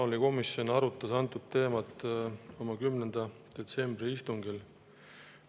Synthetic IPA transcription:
oliko̞misjo̞nɑɾut̪ːˑɑsɑnt̪ːˑud̪̥t̪e̞ːmɑt̪ːo̞mɑkymnend̪̥ɑd̪̥e̞t̪se̞mbriist̪uŋɡil

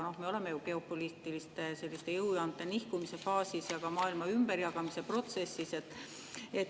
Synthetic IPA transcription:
no̞hmeo̞le̞me̞juke̞o̞pːˑolist̪ilist̪ese̞lʲːist̪e̞jɤwjɑnt̪ːˑenihkumise̞fɑːsisjɑkɑmɑːilmɑymbeɾjɑkɑmise̞pro̞t̪se̞sːise̞t̪ːˑ | e̞t̪

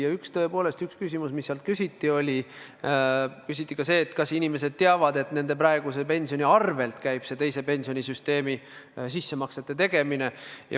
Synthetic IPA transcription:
jɑykst̪ø̞epo̞ːle̞st̪ykskysʲimusmisːeɑlt̪̚kysʲit̪ːˑio̞lʲi | kysʲit̪ˑːikɑse̞ːt̪kɑsinime̞se̞d̪̥̚t̪eɑvɑd̪e̞t̪ne̞nd̪̥e̞pɾɑeɡ̥usepe̞nʲsio̞nʲiɑrve̞lt̪kæjb̥se̞t̪e̞jse̞pe̞nʲsio̞nʲisyst̪e̞ːmi | sisːe̞mɑkset̪ːˑet̪e̞ɡ̥e̞mine̞jɑ̰

